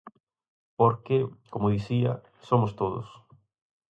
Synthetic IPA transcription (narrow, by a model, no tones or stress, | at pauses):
poɾkekomʊðiθiɐ̰ | somost̪oðʊ̰s